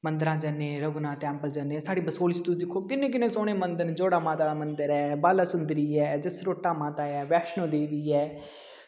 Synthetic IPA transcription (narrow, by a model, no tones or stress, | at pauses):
mənd̪əɾãːd͡ʒənẽːɾəɡnãːʈɛ̃ːmpəld͡ʒənẽːsaːɽiːbəsoːlɪt͡ʃt̪ʊsd̪ɪkʰːoːkɪnːẽːk̬ɪnẽːsoːɽ̃ẽːmənd̪ənd͡ʒoːɽaːmãːt̪aːmənd̪əɾɛːbaːlaːsʊnd̪ɾiːɛːd͡ʒɪsɾoːʈːaːmãːt̪aːɛːʋɛːkʃnõːd̪eːʋiːɛː